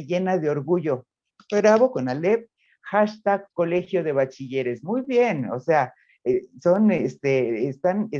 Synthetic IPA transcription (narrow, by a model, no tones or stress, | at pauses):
jenad̪eoɾɡujo | peɾaβokonalep̚ | xaʃt̪akolexjoðeβat͡ʃijeɾesmujbjeno̰sea | esonest̪eːst̪ane